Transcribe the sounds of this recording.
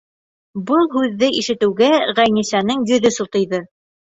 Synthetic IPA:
bɤlˠɦʉðːɘiʃɘ̆t̪ɘ̆wɡæʁæjnisænɤɴjɵ̆ðɵsŏlˠt̪ɤ̆jðɤ

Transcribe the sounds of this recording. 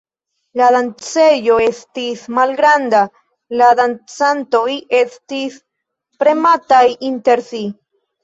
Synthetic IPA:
ladant͡se̞jo̞est̪ismalɡɾand̪a | lad̪ant͡sant̪o̞je̞st̪is | pɾematajint̪e̞ɾsi

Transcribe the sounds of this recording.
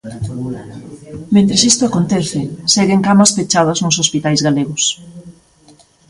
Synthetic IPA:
mẽnt̪ɾesist̪ʊakont̪ɛθɪsɛɣeŋkamɐsfpet͡ʃað̞ɐznʊsospit̪ajzɣaleɣʊs

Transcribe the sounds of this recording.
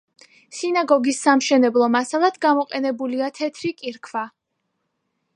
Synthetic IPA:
sinaɡɔɡisːamʃɛnɛblˠɔmasalˠad̪̥ɡamɔqʼɛnɛbuliat̪ʰɛt̪ʰɾikʼiɾkʰva

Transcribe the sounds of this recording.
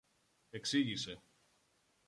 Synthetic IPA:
eksiʝise̞

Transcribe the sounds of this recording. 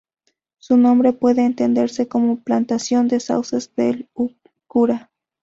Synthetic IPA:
sunõ̞mbɾe̞pwe̞ðeːnt̪e̞nd̪e̞ɾse̞ko̞moplant̪asjo̞nd̪e̞sa̰wsezdelu | kuɾa

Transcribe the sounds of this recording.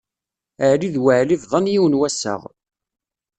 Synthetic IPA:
əʕliðwəʕlivðˤɑnjiwənwæsːə̰ʁ

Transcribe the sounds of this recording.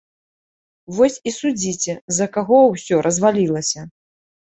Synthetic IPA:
vɔsʲisud͡zʲit͡sʲɛzɐkaɣɔwsʲɔɾʔɐzvalʲilˠɐsʲɐ

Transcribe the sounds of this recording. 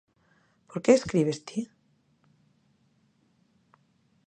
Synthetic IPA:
poɾkeːskɾiβest̪ʰi

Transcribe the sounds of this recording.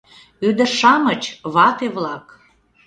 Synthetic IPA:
yd̪ə̆ʃɑmət͡ɕβɑt̪eβlɑk

